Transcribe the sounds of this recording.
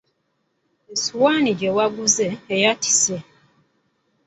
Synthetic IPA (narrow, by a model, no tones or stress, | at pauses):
esuwaːniɟewaɡuzeːjati̥se